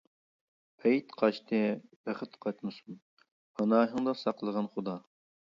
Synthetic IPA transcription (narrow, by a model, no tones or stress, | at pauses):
ɛjit̪qʰɑʃt̪ʰɨbæχɪt̪qʰɑjt̪mɨsum | hɑnɑːɦɨŋd̪ɑsɑqlˠəʁɑnχʊd̪ɑ